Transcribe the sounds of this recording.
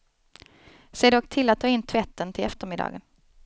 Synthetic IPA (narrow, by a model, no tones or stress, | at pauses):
seːɖɔkːt̪ʰɪlːat̪̚ʰːɑːɪnːt̪ʰvɛt̪ʰːənt̪ʰɪlɛft̪əɾmɪd̪ɑ̰ːɡən